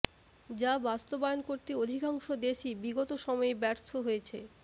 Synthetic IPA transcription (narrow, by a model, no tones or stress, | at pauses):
d͡ʑabast̪obajonkoɾt̪iod̪ʱikaŋʃod̪eʃibiɡot̪oʃɔmɔebɛɾt̪ʰoɦojet͡ɕʰe